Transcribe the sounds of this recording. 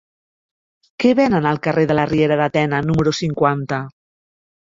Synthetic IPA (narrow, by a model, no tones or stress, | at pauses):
kɛβɛnənəlˠkəreðələrieɾəðat̪ɛnənuməɾusiŋkwant̪ə